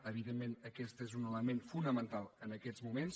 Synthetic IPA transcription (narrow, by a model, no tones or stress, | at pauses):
əβ̞iðemːenəkɛst̪ezunələmenfunəmənt̪alˠənəkɛzmumens